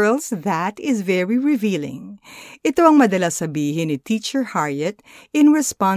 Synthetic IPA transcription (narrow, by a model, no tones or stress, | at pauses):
lsðɐt̪ɪzvɛɹiɹɪviːlɪ̰̃ŋʔɪt̪o̞ɐŋmɐd̪ɐlasɐbiːhɪnɪt̪it͡ʃɛɹhaɹɛt̪̚ | ɪ̃nɹɛspa